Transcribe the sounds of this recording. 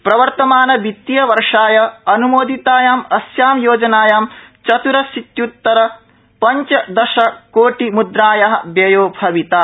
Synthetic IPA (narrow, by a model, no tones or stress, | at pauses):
pɾɐʋɐɾt̪ɐmaːnɐbit̪ːijɐʋɐɾʂaːjɐɐnumoːd̪ʱit̪aːjaːmɐsjaːmjoːd͡ʒɐnaːjaːmt͡ʃɐt̪uɾɐsit̪jut̪ːɐɾɐ | pɐɲt͡ʃɐd̪ɐʃɐkoːʈimud̪ɾaːjɐɦɐ̆bjejoːbʱɐʋit̪aː